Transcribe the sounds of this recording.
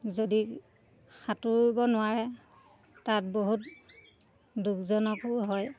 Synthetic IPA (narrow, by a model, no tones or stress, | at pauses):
zodi | xatuɹbɔnʊwaɹɛ | tat̚boɦut | dukzɔnɔkʊɦɔj